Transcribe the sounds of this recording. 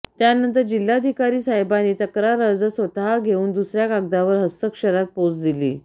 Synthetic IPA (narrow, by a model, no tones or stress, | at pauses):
t̪janənt̪əɾd͡ʑil̤ːad̪ʱikaɾiːsaɦebaniːt̪əkɾaɾəd͡zəsʋət̪aɦaɡʱeuːnd̪usɾjakaɡ̚d̪aʋəɾɦəst̪əkɕəɾat̪̚pod͡zd̪ilḭː